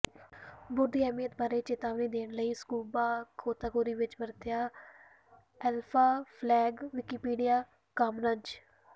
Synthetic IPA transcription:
bʊɾd̪iːɛːmiːət̪̚baːɾeːt͡ʃɪt̪aːʋnĩːd̪eːnləiːskuːbaːkʰoːt̪aːkoːɾiːʋɪt͡ʃbəɾt̪ɪjaː | ɛːlpʰaːpʰlɛːɡʋɪkiːpiːɖijaː | kəmɾəɲd͡ʒ

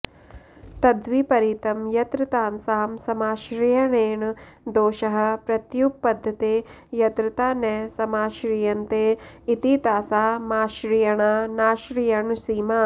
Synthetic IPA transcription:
t̪ɐd̪ʋipɐɾit̪ɐmjɐt̪ɾɨt̪aːnsɐːɐmsɐmaːʃɾijɐɳeːɳ | d̪oːʃɐɦɐ̆pɾɐt̪juk̚pɐd̪ʱːɐt̪eː | jɐt̪ɾɨt̪aːnɛːsɐmaːʃɾijɐnt̪eː | it̪it̪aːsaːmaːʃɾijɐɳaːnaːʃɾijɐɳsiːmaː

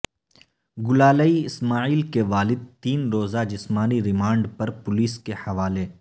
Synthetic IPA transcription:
ɡʊlaːləiɪsmaːiːlkeʋaːlɪd̪̚t̪iːnɾoːzad͡ʒɪsmaːniɾɪmaːɳɖpɐɾpʊliːskehɐʋaːle

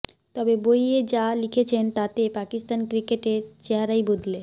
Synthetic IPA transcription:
t̪ɔbebojed͡ʑalikʰet͡ɕʰent̪at̪epakist̪ankɾikeʈet͡ɕeɦaɾajbod̪ʱle

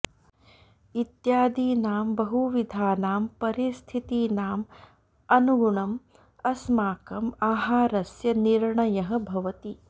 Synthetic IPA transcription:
it̪jaːd̪iːnaːmbɐɦuʋid̪ʱaːnaːmpɐɾist̪ʰit̪iːnaːm | ɐnuɡuɳɐm | ɐsmaːkɐmaːɦaːɾɐsjɐniɾɳɐjɐɦɐ̆bʱɐʋɐt̪i

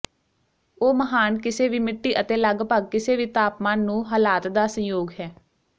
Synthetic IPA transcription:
oːməɦaːnkɪseːʋiːmɪʈːiːʔət̪eːləɡpəɡkɪseːʋiːt̪aːpmãːnũːɦaːlaːt̪d̪aːsə̃joːɡɦɛː

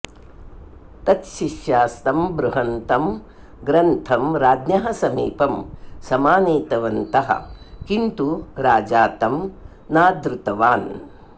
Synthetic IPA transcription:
t̪ɐt̪ʃiʃjaːst̪ɐmbɾuɦɐnt̪ɐm | ɡɾɐnt̪ʰɐmɾaːd̪nɐɦɐsɐmḭːpɐmsɐmaːneːt̪ɐʋɐnt̪ɐɦɐ̰̆kint̪uɾaːd͡ʒaːt̪ɐm | naːd̪ɾut̪ɐʋaːn

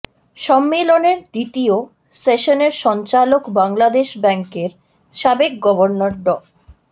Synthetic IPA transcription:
ʃɔmːeloneɾd̪it̪io | seʃoneɾʃɔnt͡ɕalokbaŋlad̪eʃbɛŋkeɾ | ʃabek̚ɡɔboɾnoɾɖɔ

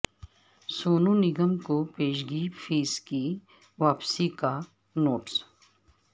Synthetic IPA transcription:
soːnõnɪɡəmkopeːʃ̬ɡiːfʰiːski | ʋaːpsika | noːʈs

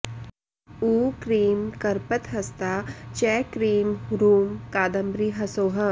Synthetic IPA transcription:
uːkɾiːmkɐɾpət̪ɦɐst̪aːt͡ʃɛːkɾiːmɾuːmkaːd̪ɐmbɾiɦɐsoːɦɐ

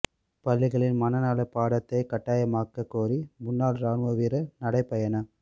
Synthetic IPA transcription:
pɐɭːɪɣɐɭɪnmɐnɐnaːlɐpaːɽɐt̪ːɐɪkɐʈːaːjɐmaːkɐkːoːɾimʊnːaːlɾaːnʋɐʋiːɾɐnɐɽɐɪpːɐjɐnɐ

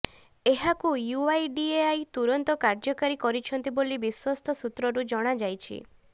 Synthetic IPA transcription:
eɦakujuajɖieajt̪uɾɔnt̪ɔkaɾd͡ʒɔkaɾikɔɾit͡ʃʰɔnt̪ibolibiswɔst̪ʰɔsut̪ɾɔɾud͡ʒɔɽ̃ad͡ʒajt͡ʃʰḭ

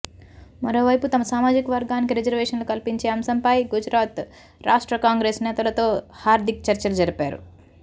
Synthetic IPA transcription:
mɐɾo̞ːʋɐjput̪ɐmɐsaːmaːd͡ʒikɐʋɐɾɡaːnik̬iɾid͡ʒɐɾʋɛːʂɐnlokɐlpiɲt͡ʃeːɐmsɐmpɐjɡud͡ʒɾaːt̪ | ɾaːʂʈɾɐkaːŋɡɾeːsnɛːt̪ɐlɐt̪o̞ːhaːɾd̪ʱik̚t͡ʃɐɾt͡ʃɐlɐd͡ʒɐɾipaːɾṵ

